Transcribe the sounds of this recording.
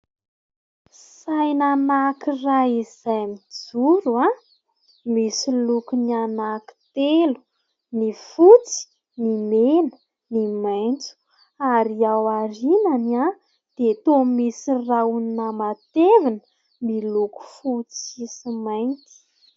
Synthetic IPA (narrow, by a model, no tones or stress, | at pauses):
sajnanakiraizajmid͡zuɾua | misilukunianaki̥t̪elu̥ | nifut͡si̥ | nimenə̥ | nimajnt͡su̥ | aɾiawaɾinana | d̪̥et̪omisirauninamat̪evinə | miluku̥fut͡sisimajnt̪i̥